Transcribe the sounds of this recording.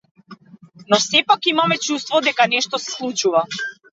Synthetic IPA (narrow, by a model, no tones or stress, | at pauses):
nɔsɛpakimamɛt͡ʃust̪vɔd̪ɛkanɛʃt̪ɔsɛ̥slˠut͡ʃuva